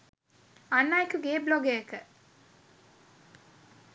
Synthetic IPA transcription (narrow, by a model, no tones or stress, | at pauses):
anːajekuɡeːbloɡejəkə